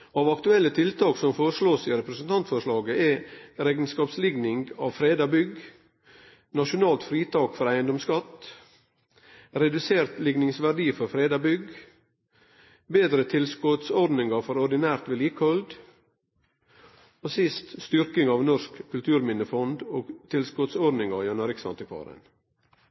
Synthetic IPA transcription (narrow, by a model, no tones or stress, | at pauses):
ɑːʋɑkt̪ʉɛlːət̪ʰɪlt̪ʰɑːksɔmfoːɾəʂɭoːsiːɾɛpɾəsn̩t̪ʰɑnt̪fɔʂɭɑːɡəɛɾeːɡnskɑːpslɪɡnɪŋɡɑːʋfɾeːd̪ɑbʏɡ | nɑʃʊnɑːlt̪fɾiːt̪ʰɑːkfɔɾæɪənd̪ɔmskɑt̪ | ɾɛd̪ʉseːɾt̪lɪɡnɪŋsʋæɖiːfɔɾfɾeːd̪ɑbʏɡ | beːd̪ɾət̪ʰɪlskʊt̪sɔd̪nɪŋɑfɔɾɔɖɪnæːɾt̪ʋɛliːkhɔld̪ | oːsɪst̪st̪ʏɾkɪŋɑːʋnɔskkʰːʉlt̪ʰʉːɾmɪnəfɔnd̪oːɡt̪ʰɪlskʊt̪sɔɖnɪŋɑjɛnɑɾɪksɑ̰nt̪əkʰɑ̰ːɾə̰n